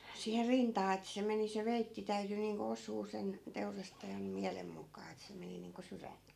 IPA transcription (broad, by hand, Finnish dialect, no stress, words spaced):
siːher rintɑː et se meni se ʋeitːi tæyty niːŋko osˑuː sen teurɑstɑjɑn miælem mukˑɑː et se meni niːŋko syrænt